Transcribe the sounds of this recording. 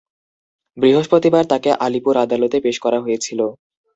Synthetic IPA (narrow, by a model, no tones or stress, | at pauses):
bɾiɦoʃpɾot̪ibaɾt̪akeʔalipuɾad̪alot̪epeʃkɔɾaɦojet͡ɕʰilo